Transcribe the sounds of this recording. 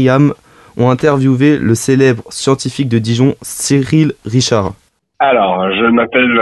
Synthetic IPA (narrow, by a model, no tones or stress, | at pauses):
jam | ɔ̃ɛ̃t̪ɛʁvjuveləselɛbʁəsjɑ̃t̪ifik̚d̪əd̪iʒɔ̃siʁilʁiʃaʁ | alɔʁʒəmapɛl